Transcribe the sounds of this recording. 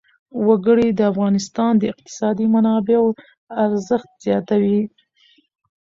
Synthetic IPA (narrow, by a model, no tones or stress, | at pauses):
waɡəɽid̪əafɣɑnɪst̪ɑnd̪əɪq̚t̪ɪ̥sɑd̪imanɑbeo | aɾzəxt̪z̥jɑt̪awi